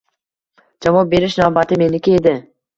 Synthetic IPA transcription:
d͡ʒavɒp̚be̞ɾɪʃnabat̪ɪme̞nɪkʲied̪ɪ

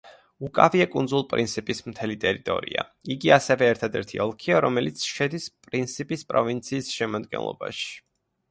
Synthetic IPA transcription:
ukʼaviakʼund̪zulˠpʼɾint̪sʰipʼismt̪ʰɛlit̪ʼɛɾit̪ʼɔ̰ɾḭa̰iɡiasɛvɛːɾt̪ʰad̪ɛɾt̪ʰiɔlˠkʰiaɾɔmɛlit̪sʰʃɛd̪ispʼɾint̪sʰipʼispʼɾɔvint̪sʰiːsʃɛmad̪ɡɛ̰nlˠɔ̰ba̰ʃi̥

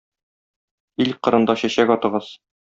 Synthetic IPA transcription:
ilʲqɤ̆ɾɤ̆nd̪ɑɕæɕækɒt̪ɤ̆ʁɤz

